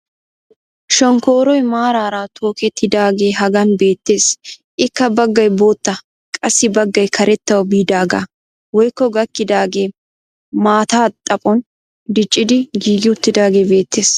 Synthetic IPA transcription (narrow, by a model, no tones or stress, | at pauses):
ʃɔŋkoːɾɔjmaːɾaːɾaːt̪ʰo̞ːkɛt̪ʰːɪd̪aːɡe̞ːɦɐɡɐnbe̞ːt̪ːe̞ːsʔɪkːɐbɐɡːɐjbo̞ːt̪ːɐ | kʼɐsːɪbɐɡːɐjkʰɐɾɛt̪ːɐwɐbiːd̪aːɡa̰ | wɔjkːɔɡɐkːɪd̪aːɡe̞ː | maːt̪aːt̪ʼːɐpʼɔn | d̪ɪt͡ʃʼːɪd̪ɪɡiːɡɪʊt̪ːɪd̪aːɡe̞ːbe̞ːt̪ːe̞ːs